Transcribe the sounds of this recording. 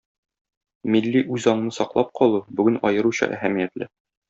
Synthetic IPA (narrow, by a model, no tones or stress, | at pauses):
milːiʔʉzɒɴ̆nɤsɒqlˠɑp̚qʰɒlˠubʉɡɘnɒjɤ̆ɾuɕɤ̰ʔæ̰hæmijæt̪lɘ